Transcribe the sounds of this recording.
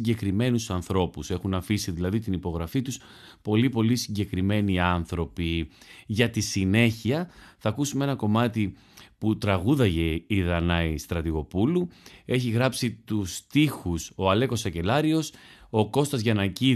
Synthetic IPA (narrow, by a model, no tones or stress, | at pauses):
ɟe̞kɾime̞nusɐnθɾo̞puse̞xunɐfisiðilɐðit̪inipo̞ɣɾɐfit̪us | po̞lipo̞lisiɲɟe̞kɾime̞niɐnθɾo̞piʝɐt̪isine̞çiɐθɐkusumee̞nɐko̞mɐt̪i | put̪ɾɐɣuðɐʝe̞iðɐnɐist̪ɾɐt̪iɣo̞pulue̞çiɣɾɐpsit̪ust̪ixuso̞ɐle̞ko̞sɐce̞lɐɾio̞so̞ko̞st̪ɐzʝɐnɐci